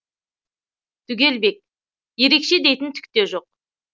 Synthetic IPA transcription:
t̪ʰʏɡʲe̞lbe̞k̚ | je̞ɾe̞kʃe̞d̪e̞jt̪ɪnt̪ʰʏ̥k̚ʲt̪e̞ʒo̞q̚

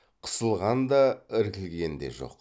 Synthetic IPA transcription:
qʰə̥səlˠʁɑnd̪ɑɪɾkʲɪlɡʲe̞nd̪e̞̰ʒo̞̰q

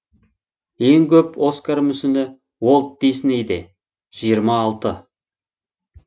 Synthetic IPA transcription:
je̞ŋkʲʰɵpo̞skaɾmʏsɪnɪ | wo̞lˠt̪̚d̪ejsɪnejd̪e | ʒ̥ijəɾmɑːlˠt̪ə

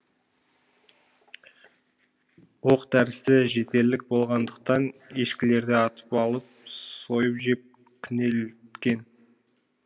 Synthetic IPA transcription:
wo̞qt̪æɾɪst̪ɪʒe̞t̪e̞lːɪk̚bo̞lˠʁɑnd̪əq̚t̪ɑneʃkʲɪle̞ɾd̪ɪɑt̪ə̥pɑlˠəp̚so̞jəpʒep̚ | kʲʰɪne̞lt̪kʲe̞n

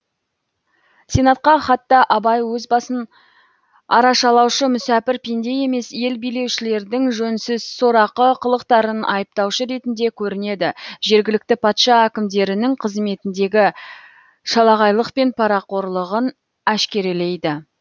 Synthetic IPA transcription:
sʲe̞nɑt̪̚qɑχɑt̪ːɑʔɑbɑjwɵzbɑsən | ɑ̰ɾɑʃɑlˠɑwʃəmʏsæpɪɾpʰend̪e̞je̞me̞sje̞lbijle̞wʃɪle̞ɾd̪ɪŋʒɵnsɪz̥soɾɑqəqʰəlˠəqt̪ɑɾənɑ̰jəp̚t̪ɑwʃəɾe̞t̪ɪnd̪e̞kʲʰɵɾɪne̞d̪ɪʒe̞ɾɡʲɪlɪk̚t̪ɪpʰɑt̪ʃɑækʲɪmd̪e̞ɾɪnɪŋqʰəzme̞t̪ɪnd̪e̞ɡʲɪ | ʃɑlˠɑʁɑjlˠəqpe̞npʰɑɾɑqo̞ɾlˠəʁən | æʃkʲe̞ɾele̞jd̪ɪ

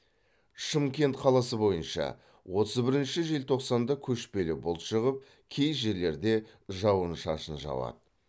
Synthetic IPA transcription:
ʃəmkʲe̞nt̪qʰɑlˠɑsəbo̞jənʃɑ̰ | wo̞t̪ʰəzbɪɾɪnʃɪʒelt̪ʰo̞qsɑnd̪ɑkʲʰɵʃpe̞lɪbʊlˠʃəʁəp̚ | kʲʰe̞jʒe̞ɾle̞ɾd̪e̞ʒɑwənʃɑʃənʒɑ̰wɑ̰d̪ə

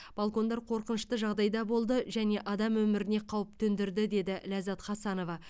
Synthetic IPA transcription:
b̥alˠko̞nd̪ɑɾqʰo̞ɾqənəʃt̪əʒɑʁd̪ɑjd̪ɑbo̞lˠd̪əʒæne̞ʔɑd̪ɑmwɵmɪɾɪne̞qʰɑwəp̚t̪ʰɵnd̪ɪɾd̪ɪd̪e̞d̪ɪlazɑt̪χɑsɑno̞vɑ

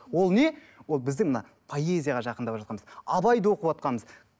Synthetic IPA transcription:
wo̞lˠne̞ | wolˠbɪzd̪ɪŋmənɑ | pʰo̞e̞zʲijaʁɑʒɑqənd̪ɑpʒɑt̪qɑnməzɑbɑjd̪wo̞qəpɑt̪̚qɑnməz

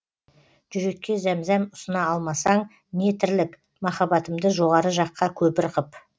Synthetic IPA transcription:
ʒ̥ʏɾe̞kʲːe̞zæmzænʊsənɑɑlˠmɑsɑɴ | ne̞t̪ʰɪɾlɪk | mɑχɑbɑt̪əmd̪əʒo̞ʁɑɾəʒɑqːɑkʲʰɵbɪɾqəp

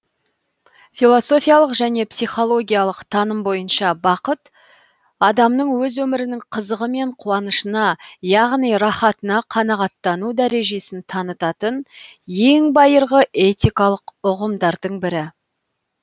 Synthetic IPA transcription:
filˠo̞so̞fijalˠəqʒæne̞psijχo̞lˠo̞ɡʲijɑlˠəqt̪ʰɑnəmbo̞jənʃɑbɑqət̪ | ɑd̪ɑmnəɴwɵzwɵmɪɾɪnɪŋqʰəzəʁəme̞ɴqʰuɑnəʃənɑjɑʁnijɾɑχɑt̪ənɑqʰɑnɑʁɑt̪ːɑnud̪æɾe̞ʒe̞sɪnt̪ʰɑnət̪ɑt̪ənje̞ŋbɑjəɾʁəʔe̞t̪ʲijkɑlˠəqʊʁəmd̪ɑɾd̪əɴbɪɾɪ

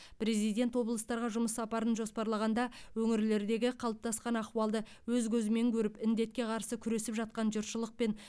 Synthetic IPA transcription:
pɾe̞zijd̪ʲe̞nt̪wo̞blˠəst̪ɑɾʁɑʒʊməsːɑpɑɾənʒo̞spɑɾlˠɑʁɑnd̪ɑwɵŋɪɾle̞ɾd̪e̞ɡʲɪqʰɑlˠəp̚t̪ʰɑsqɑnɑquɑlˠd̪ə | wɵzɡʲɵzɪme̞ŋkʲʰɵɾɪpɪnd̪e̞t̪̚kʲe̞qʰɑɾsəkʲʰʏɾe̞sɪpʒɑt̪̚qɑnʒʊɾʃəlˠəq̚pe̞n

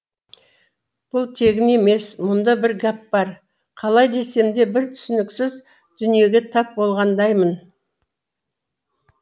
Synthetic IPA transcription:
b̥ʊlˠt̪ʰe̞ɡʲɪne̞me̞smʊnd̪ɑbɪɾɡap̚bɑɾ | qʰɑlˠɑjd̪e̞se̞md̪e̞bɪɾt̪ʰʏ̥sɪnɪksɪz | d̪̥ʏnije̞ɡʲet̪ʰɑp̚bo̞lˠʁɑnd̪ɑjmən

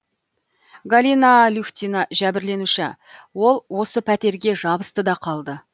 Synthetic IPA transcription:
ɡalʲinalʲuxʲt̪ʲinɑʒæbɪɾle̞nuʃɪ | wo̞lˠwo̞səpʰæt̪e̞ɾɡʲe̞ʒɑbə̥st̪əd̪ɑqʰɑlˠd̪ə

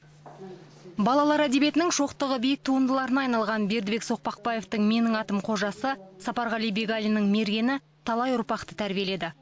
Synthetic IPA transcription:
bɑlˠɑlˠɑɾæd̪e̞be̞t̪ɪnɪŋʒo̞qt̪əʁəbijɪk̚t̪ʰuənd̪əlˠɑɾənɑːjnɑlˠʁɑnbe̞ɾd̪ɪbe̞kso̞q̚pɑq̚pɑje̞ft̪əɴme̞nɪŋɑt̪əmqʰo̞ʒɑsəsɑpɑɾʁɑlˠijbe̞ɡalʲinəŋme̞ɾɡʲe̞nɪ | t̪ʰɑlˠɑjʊɾpɑqt̪ə̥t̪ʰæɾbije̞le̞d̪ɪ

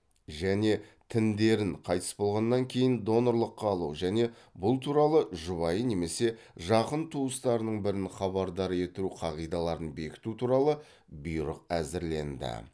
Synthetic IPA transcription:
ʒæne̞t̪ʰɪnd̪e̞ɾɪɴqʰɑjt̪ʰə̥sbo̞lˠʁɑnːɑŋkʲʰe̞jɪnd̪o̞no̞ɾlˠəqːɑːlˠuʒæne̞ | bʊlˠt̪ʰuɾɑlˠəʒʊβɑjəne̞me̞se̞ | ʒɑqənt̪ʰuəst̪ɑɾənəɴbɪɾɪnχɑβɑɾd̪ɑɾe̞t̪ɪɾuqʰɑʁijd̪ɑlˠɑɾənbe̞kʲɪ̥t̪ut̪ʰuɾɑlˠə | bʊjɾə̰q̚æzɪɾle̞̰nd̪ɪ̰

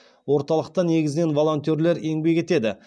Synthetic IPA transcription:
wo̞ɾt̪ɑlˠəq̚t̪ɑne̞ɡʲɪzɪne̞nvo̞lˠo̞nt̪io̞ɾle̞ɾe̞ŋbe̞kʲe̞t̪e̞d̪ɪ

